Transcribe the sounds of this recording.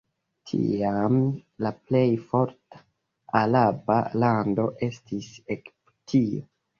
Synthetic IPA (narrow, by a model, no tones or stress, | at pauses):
tʰḭamlaple̞jfo̞ɾtḁ | alaba̰lando̞ʔe̞stʰisekptʰio